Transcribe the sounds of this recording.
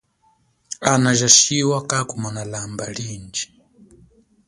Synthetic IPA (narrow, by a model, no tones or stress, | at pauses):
anaʒaʃiwakakumanalamba̰liːnd͡ʒi̥